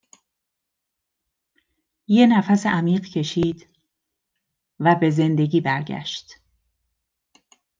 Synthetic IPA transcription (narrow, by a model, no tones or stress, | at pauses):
je̞næfæseʔæmiːɢcʰe̞ʃiːd̪̥ | væbe̞ze̞nd̪e̞ɟiːbæɾɟæ̰ʃt̪